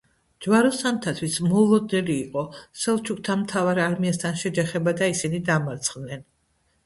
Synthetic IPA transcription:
d͡ʒvaɾɔsamt̪ʰat̪ʰwismɔlˠɔd̪nɛliːqʼɔsɛlˠt͡ʃʰuk̚t̪ʰamt̪ʰavaɾaɾmiast̪ʰanʃɛd͡ʒaχɛbad̪aisinid̪amaɾt̪sʰχd̪nɛn

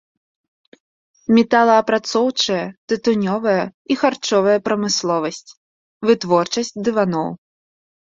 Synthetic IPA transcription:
mʲɛt̪alˠɐːpɾat̪sɔwt͡ʂɐjɐt̪ɨt̪unʲɔvɐjɐixart͡ʂɔvɐjɐpɾɐmɨslˠɔvɐsʲt͡sʲ | vɨt̪vɔrt͡ʂɐsʲt͡sʲd̪ɨvanɔw

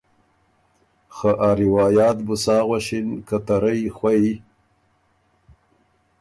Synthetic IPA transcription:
xaʔaːɾiwɑːjɑːt̪̚bʊsɑːɣwaʃinkat̪aɾajxwai

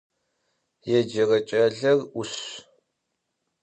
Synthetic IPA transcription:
jɛd͡ʒɐrɐt͡ʃʼɐɮɐrʊɕ

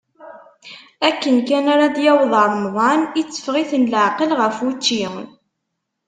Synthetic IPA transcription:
ækːənkænaɾad̪jæwðˤəɾˤmðˤɑnit͡sːə̥fʁiθənləʕqəlʁəfut͡ʃːiwn

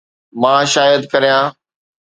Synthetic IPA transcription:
mãːʃaːjəd̪kɐɾijãː

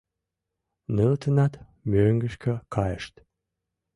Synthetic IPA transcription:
nəlt̪ʰənɑt̪ | møŋɡəʃkʰəkʰɑjəʃt̪

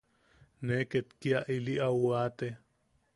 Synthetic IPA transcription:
neket̪kiaʔiliʔawat̪e

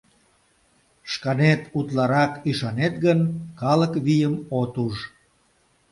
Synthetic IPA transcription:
ʃkɑnet̪ut̪lɑɾɑkyʃɑnet̪ɡənkɑləkβijəmot̪uʒ

